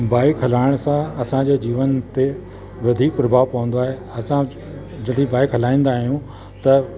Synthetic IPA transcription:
baːɪkɦɐlaːɪɽ̃sãɐsãd͡ʑeːd͡ʑiːʋənt̪e | ʋɐd̪ʱiːk̚pɾɐbʱaːʋpɐʋə̃nd̪oaːɦe | ɐsã | d͡ʑɐɽĩbaːɪkɦɐlaːĩːn̆d̪aːɦijũ | t̪ɐ

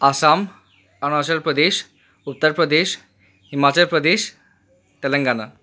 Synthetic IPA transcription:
asam | anaɕəlpɾəd̪eɕ | ut̪ːəɾpɾəd̪eɕ | himat͡ɕəlpɾəd̪eɕ | t̪elə̃ŋɡana

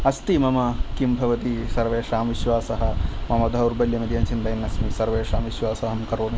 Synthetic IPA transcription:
ɐst̪imɐmɐkimbʱɐʋɐt̪isɐɾʋeːʂaːmʋiʃʋaːsɐɦɐ̆mɐmɐd̪ʱɐuɾbɐljɐmid̪ijɐnt͡ʃind̪ɐjnːɐsmisɐɾʋeːʂaːmʋiʃʋaːsɐɦɐmkɐɾoːn

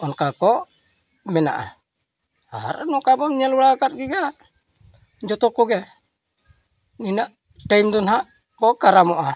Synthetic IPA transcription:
ʔɔnkakɔ | mɛna̰ʔa̰ | a̰ɾa̰nɔkabɔŋɲialulakat̪̚ɡiɡa | ɲd͡ʒɔt̪ɔkɔɡɛ | ninaʔ | taimd̪ɔnɦaʔ | kɔkaɾamoʔa

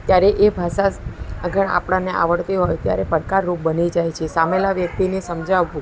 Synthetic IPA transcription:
t̪jaɾeʔebʱaʃaɡəɳa̰pɽaneʔa̰ʋəɽt̪iɦojt̪ja̰ɾepəɾkaɾːup̚bənid͡ʒajt͡ʃʰesamelaʋjək̚t̪inesəmd͡ʒaʋːũ

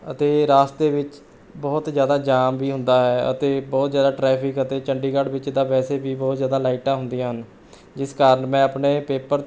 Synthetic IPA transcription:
ət̪eːɾaːst̪eːʋɪt͡ʃ | bɔːt̪zjaːd̪aːd͡ʒaːmʋiːɦʊ̃nd̪aːɦɛːə̰t̪eːbɔːt̪zjaːd̪aːʈɾɛːpʰɪkət̪eːt͡ʃəɳɖiːkaɽʋɪt͡ʃd̪aːʋɛːseːbiːbɔːt̪zjaːd̪aːlaːɪʈãːɦʊnd̪ijãːɦən | d͡ʒɪskaːɾənmɛ̃ːapneːpeːpəɾ

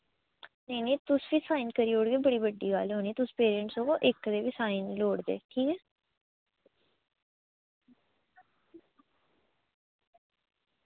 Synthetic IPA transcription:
nəiːnĩːt̪ʊsʋiːsaːinkəɾiːoːɽɡeːbəɽiːbəɖːḭːɡalɦoːniːt̪ʊspeːɾiəɳʈsoːkoːʔɪkd̪eːʋiːsaːinloːɽd̪ḛːʈʰiːkɛː

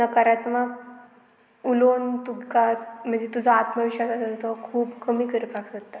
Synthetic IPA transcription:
nəkaɾat̪maɡ | ulont̪ukam̤əɳd͡zet̪ud͡zʱaːt̪məʋiɕasat̪at̪əakʰuːbkəmiːkəɾəpaksət̪ːa

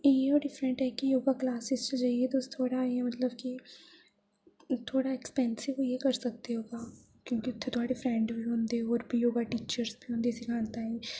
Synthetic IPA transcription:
eoːɖɪfɾə̃ɳʈɦɛkijoːɡaklaːsɪst͡ʃəd͡ʒaːiet̪ost̪ʰːoːɽaemɐt̪ləbki | t̪ʰoːɽaɛkspɛ̃ːnsɪʋojekɐɾsɐk̚t̪eɦoːɡaː | kjõːkiʊt̪ʰːet̪ʊaːɖefɾɛ̃ːɳɖbʱiɦõːnd̪eɔːɾbʱijoːɡaʈiːt͡ʃəɾsbʱiɦõːnd̪isɪkʰãːnt̪aɦɛ̃ː

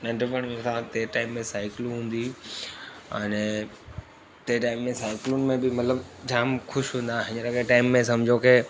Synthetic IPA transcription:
nɐ̃ɳɖʋəɳĩsʰãt̪eːʈaːɪmːẽsaːɪkɪl̃ɦũːn̆d̪i | ɛ̃ːne | t̪eːʈaːɪmːẽsaːɪkɪlunɪ̆mẽbɪmɐt̪ləbd͡ʑaːmxʊʃɦũːnd̪aɦɪ̃ɲəɾɐkeʈaːɪmːẽsɐmd͡ʑʱokeː

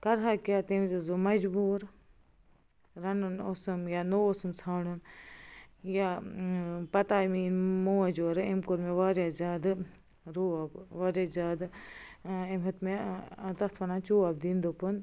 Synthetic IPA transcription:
kɐɾɦaːkijaːt̪emizɐzomɐd͡ʒbuːɾ | ɾɐnunoːsɨmjaːnoːoːsɨmsʰaːɳɨm | jaː | pɐt̪aːmiːnmoːɐd͡ʒoːɾemkoɾmeʋaːɾjaːzʲaːd̪ɨ | ɾoːabʋaːɾjazʲaːd̪ | emɦɐt̪met̪ɐxt̪ʰɐnaːnt͡ʃuːabd̪ĩnd̪opɨn

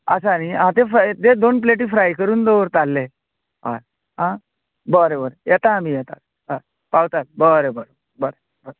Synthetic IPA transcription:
əsaniɦãt̪eft̪ed̪onp̬leʈiːfɾajkəɾuːnd̪oʋɾt̪alːe | ɦa̰ɾ | ɦã | bəɾebəɾjɛt̪ãmijɛt̪a̰t̪̚ | aɾ | pawt̪at̪̚bəɾebəɾ | bəɾe | bəɾ

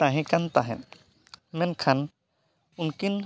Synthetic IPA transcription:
t̪aɦɛ̃kant̪aɦɛ̰n | mɛnkʰan | unkin

